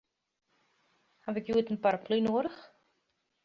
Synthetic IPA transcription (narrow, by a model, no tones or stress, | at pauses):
havɪkjuətənpaɾpʰlinoəɾəχ